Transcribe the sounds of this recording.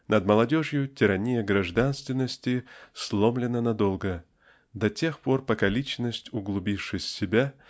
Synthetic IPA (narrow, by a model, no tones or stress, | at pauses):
nəd̪məlˠɐdʲoʐjʊtʲɪɾɐnʲijəɡɾɐʐd̪anst̪vʲɪnːəsʲtʲɪslˠomlʲɪnənɐd̪olˠɡə | d̪ɐtʲe̞xporpɐkalʲit͡ɕnəsʲtʲʊɡlˠʊbʲifʂɨsʲːɪbʲa